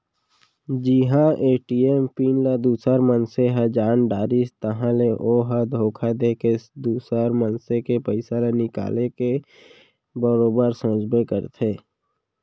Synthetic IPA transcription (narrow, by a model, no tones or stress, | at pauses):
d͡ʒiɦãʔeːʈiːempiːnlad̪uːsəɾmənseɦad͡ʒaːnɖaːɾist̪əɦãleʔoːɦad̪ʱoːkʰad̪ekeɪsd̪uːsəɾmənsekepəɪsalenɪka̰ːleke | bəɾoːbəɾsõːd͡ʒbekəɾt̪ʰeː